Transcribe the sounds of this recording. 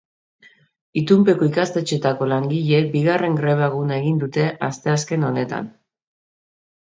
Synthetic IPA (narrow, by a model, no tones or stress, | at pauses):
it̪umpe̞ko̞ikast̪e̞t͡ʃe̞t̪ako̞laŋɡiʎeek̚biɣare̞ŋɡɾe̞βaɣunae̞ɣ̞ind̪ut̪e̞ʔast̪e̞aske̞no̞ne̞t̪a̰n